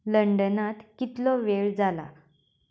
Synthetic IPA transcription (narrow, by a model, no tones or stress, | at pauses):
ləɳɖənat̪kit̪lɔʋeɭd͡zala̰